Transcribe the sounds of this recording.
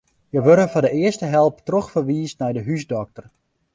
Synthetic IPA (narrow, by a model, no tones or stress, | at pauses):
jəʋøɾəfɔdəɪərstəɦɛlˠptrɔxfərʋiːsnɛjdəɦysdɔk̚tər